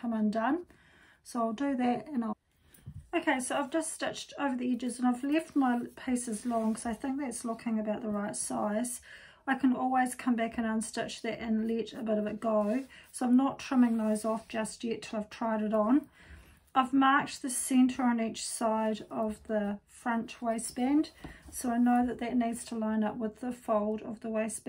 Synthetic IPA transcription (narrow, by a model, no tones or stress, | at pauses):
kʰʌ̃mə̃ndʌ̃n | soʊaɪlˠdɨðɨtɨ̃naɪ | əʊkʰeɪsoʊaɪvd͡ʒʌststʌt͡ʃtʰoʊvə˞ðiɛd͡ʒɨzə̃naɪvlɛft̚maɪpʰeɪsɨzlɔ̃ŋkʰʌzaɪθɪ̃ŋk̚ðætslʊkʰɪ̃ŋɨbaʊʔ̪̚ðəɹaɪtsa̰ɪz̥ | aɪkʰɨ̃nɔlˠwiz̥kʰʌ̃mbækɨ̃nə̃nstɪt͡ʃðɨɾɨ̃nlɛɾɨbɪɾʌvɨt̚ɡ̥oʊsoʊãɪ̃mnətʰɹ̥ɪ̃mɪ̃ŋðoʊzɔfd̥ʒ̥ʌst̚jɛtʰɨlˠaɪv̥tʰɹ̥aɪɾɨɾn̩ | aɪvmɑɹt͡ʃðɨsɛ̃ntʰə˞ə̃nit͡ʃsaɪɾʌvðəfɹʌ̃nt͡ʃweɪsb̥æ̃nd̥soʊaɪnoʊðɨt̪̚ðɨtⁿnidz̥tʰəlãɪ̃nʌp̚wəðəfoʊlˠdʌvðəweɪsb